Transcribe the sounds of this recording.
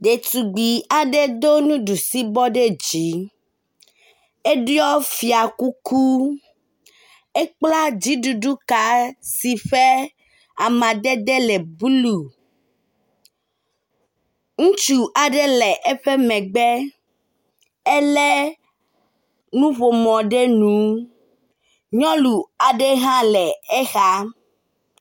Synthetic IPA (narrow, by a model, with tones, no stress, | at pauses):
ɖe˨t̪u˨ɡ͡bi˨a˨ɖɛ˦d̪o˦nũ˦ɖu˨si˦bɔ˦ɖe˦d͡ʒi˨˦ | e˦ɖi˦ɔ˦fi˨a˨ku˦ku˦ | e˦k͡pla˦d͡ʑi˨˦ɖu˨ɖu˦ka˨si˨ɸe˦ | a˨mã˨d̪ɛ˦d̪ɛ˦lɛ˨bu˦lu˨ | ŋũ˦t͡ʃu˨ʔa˨ɖɛ˦lɛ˨ʔɛ˦ɸɛ˦mɛ̃˨ɡ͡bɛ˦ | ɛ˦lɛ˦ | nũ˦βo˨mɔ̃˨ɖɛ˦nũ˨˦ | ɲɔ̃˦lu˨a˨ɖɛ˦ɦã˦lɛ˨ɛ˦xa˦